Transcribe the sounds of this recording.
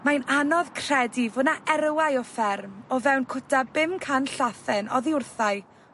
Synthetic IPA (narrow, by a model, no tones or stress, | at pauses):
majnanɔvkʰr̥ɛdivʊnaʔɛɾwajɔfɛrmɔvɛwnkʰʊtʰabɪmkʰanɬaθɛnɔðiʊrθaɨ